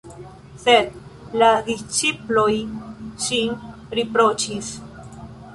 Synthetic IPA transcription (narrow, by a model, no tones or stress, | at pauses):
sed̪̚lad̪ist͡ʃiplojʃin | ɾipɾot͡ʃis